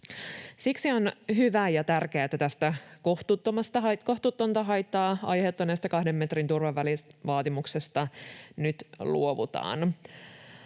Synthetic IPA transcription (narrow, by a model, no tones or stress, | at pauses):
siksionɦyʋæjɑt̪ærk̟eæːet̪ːæt̪æst̪ækoht̪ut̪ːomɑst̪ɑɦɑkoht̪ut̪ːont̪ɑɦɑjt̪ːɑːɑ̰jhet̪ːonest̪ækɑhdemːe̞t̪rint̪urʋɑʋːælisʋɑːt̪imuksest̪ɑnyt̪lṵoʋṵt̪ɑ̰ːn